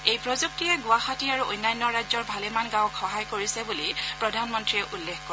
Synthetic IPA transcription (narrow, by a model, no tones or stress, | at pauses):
ejpɹɔzuk̚tijɛɡʊwaxatiaɹuʔojnːajnːɔɹazɔɹbʱalemanɡãwkxɔɦajkoɹisɛbulipɹɔdʱanmɔntɹiɛʔulːexkɔɹ